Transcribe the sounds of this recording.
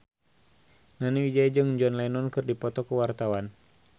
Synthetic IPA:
naniwid͡ʒaid͡ʒɨŋd͡ʒɔnlanɔnkɨrdipɔt̪ɔkəwart̪awan

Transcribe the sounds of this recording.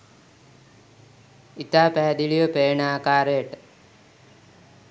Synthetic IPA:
it̪aːpæɦɛd̪iɭiʋəpeːnaːkaːɾəjəʈə̥

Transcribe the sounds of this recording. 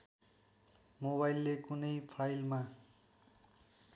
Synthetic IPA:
mobajlːekunʌjpʰajlma

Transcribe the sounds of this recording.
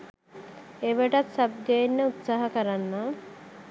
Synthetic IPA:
eʋəʈat̪sab̚ɡeinːəut̪saːɦəkəɾanːaː

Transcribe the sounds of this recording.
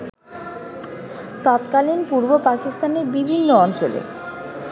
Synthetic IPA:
t̪ɔt̪kalinpuɾbopakist̪aneɾbibʱinːoɔnt͡ɕolḛ

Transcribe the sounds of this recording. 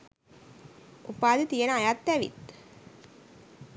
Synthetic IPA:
ʔupaːd̪it̪ijenəajat̪ːæʋḭt̪

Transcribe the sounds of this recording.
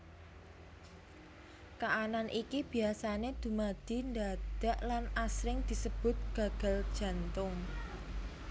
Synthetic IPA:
kaʔananʔikib̥i̤asaned̪̥ṳmad̪̥i̤nd̪ad̪̥a̤ʔlanasɾɪŋd̪̥i̤səb̥ʊ̤t̪̚ɡ̥ä̤ɡ̥ä̤ld̥ʒ̥ä̤nt̪ʊŋ

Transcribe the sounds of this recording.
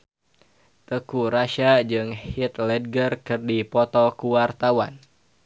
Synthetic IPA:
t̪əkuɾaʃad͡ʒɨŋhit̪lɛd̚ɡərkɨrdipɔt̪ɔkuwart̪awan

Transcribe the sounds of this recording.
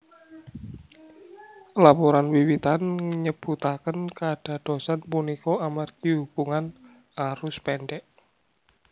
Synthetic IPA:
lapoɾanwiwit̪anɲəb̥ut̪akənkaɖ̥a̤ɖ̪̥osanpunikɔamarkiɦub̥uŋan | aɾʊspɛnɖɛʔ

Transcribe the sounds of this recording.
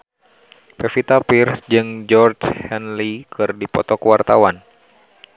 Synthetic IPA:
pɛfit̪apirsd͡ʒɨŋd͡ʒɔrd͡ʒhɛnlikʰɨrdipɔ̰t̪ɔkəwart̪awan

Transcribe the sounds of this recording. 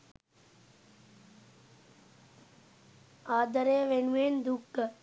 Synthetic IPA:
aːd̪əɾeːʋenuʋeːnd̪ukːə

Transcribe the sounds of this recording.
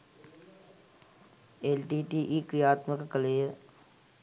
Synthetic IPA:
elʈiːʈiːʔiːkɾɪjaːt̪məkkəleːjə

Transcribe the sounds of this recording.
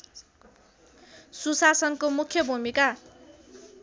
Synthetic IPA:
susasʌnkomukʰjʌbʱumika

